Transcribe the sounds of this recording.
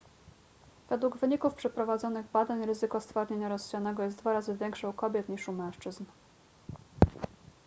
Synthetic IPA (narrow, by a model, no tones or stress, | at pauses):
v̥ɛd̪wuɡvɘɲikufpʂɛpɾɔvad̪zɔnɘɣbad̪aɲɾɘzɘkɔst̪faɾɲeɲaɾɔst͡ɕanɛɡɔjɛst̪d̪vaɾazɘvʲjɛŋkʂaukɔbʲjɛt̪ɲiʂumɛ̃w̃ʂt͡ʂɘzn